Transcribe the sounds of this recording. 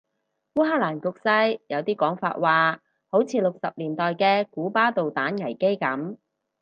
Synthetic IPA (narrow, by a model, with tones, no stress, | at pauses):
fuː˥ɦaː˥laː˨˩nkʊ˧k̚sɐ˥jjɐ˨˧wt̪iː˥kɔː˨˥ŋfa̰ː˧t̚waː˨ | ho˨˥wt͡sʰiː˧lʊ˨k̚sɐ˨p̚liː˨˩nt̪ɔː˨jkɛː˧kuː˨˥paː˥t̪o˨wt̪aː˨˥nŋɐ˨˩jke˥jkɐ˨˥m